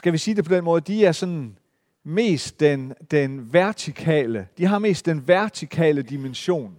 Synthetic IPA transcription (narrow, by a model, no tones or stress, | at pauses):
sɡ̥æʋisiːd̥e̝pʰɒ̽d̥enmɔ̽ːð̞ˠd̥iæɐsɒ̽n | me̝̰ːsd̥̚end̥enʋæɐt͡sʰikʰɛ̰ːləd̥iɦɑ̈me̝̰ːsd̥ːenʋæɐt͡sʰikʰɛ̰ːləd̥imenɕo̝̰ːn